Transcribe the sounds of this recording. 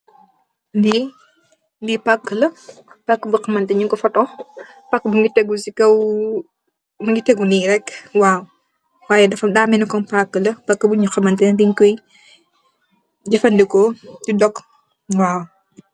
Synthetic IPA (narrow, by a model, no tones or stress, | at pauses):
ndi | ndipakːəlɐpakːəbuxɐmɐntɛɲuŋkɔfɐtɔx | pɐkːbuŋɡitɛɡusikɐw | muŋɡitɛɡuniɾɛkːwaːw | waːjɛdɐfɐmdaːmɛnikɔnpakːəlɐpɐkːəbuɲuxɐmɐntɛdiŋkɔj | ɟɐfɐndikɔd͡ʒudɔk | waːw